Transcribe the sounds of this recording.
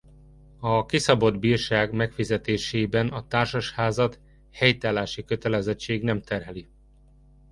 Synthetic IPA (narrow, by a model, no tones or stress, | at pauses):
ɒkisɒbo̞d̪biːrʃaːɡmɛkfizɛt̪eːʃeːbɛnɒt̪aːrʃɒʃhaːzɒt̪ | hɛjt̪aːlaːʃikø̞t̪ɛlɛzɛt͡ʃːeːɡnɛmt̪ɛrɦɛli